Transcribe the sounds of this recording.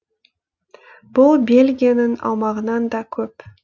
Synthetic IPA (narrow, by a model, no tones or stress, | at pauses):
b̥ʊlˠbe̞lɡʲijanəŋɑ̰w̪ˠmɑʁənɑnd̪ɑkʲʰɵp